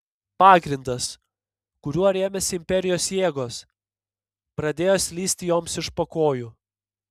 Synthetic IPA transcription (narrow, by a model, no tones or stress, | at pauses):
pɑːɡɾʲɪnd̪ɐs | kʊɾʲuɔɾʲeːmʲɛsʲɪɪmʲpʲɛɾʲɪjoːsjeːɡoːs | pɾɐd̪ʲeːjoːsʲlʲiːsʲt̪ʲɪjoːmsɪʃpɐkoːju